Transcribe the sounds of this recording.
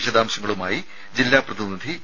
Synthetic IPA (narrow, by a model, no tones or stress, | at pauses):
ʂɐd̪aːmɕɐŋːɐɭuma̰ːji | d͡ʑilːaːprɐðinid̪ʱi